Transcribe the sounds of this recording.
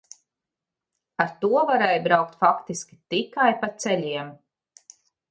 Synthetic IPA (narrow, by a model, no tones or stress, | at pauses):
aɾt̪uɔvaɾɛːjbɾawk̚t̪fakt̪iskʲi̥t̪ikajpat̪sɛlʲiɛm